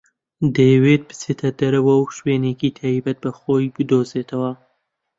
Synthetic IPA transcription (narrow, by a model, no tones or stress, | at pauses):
d̪ejwed̪̚bɨ̥t͡set̪ʰɐd̪ɐɾɐwɐwʃweːnekit̪ʰaːibɐt̪̚bɐxoːjbɨd̪oːzeːt̪ʰɐwɐ